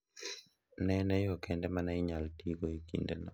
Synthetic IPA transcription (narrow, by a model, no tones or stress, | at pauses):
nɛnɛjɔkʰɛndɛmanaɪɲaltiɡoikḭndenɔ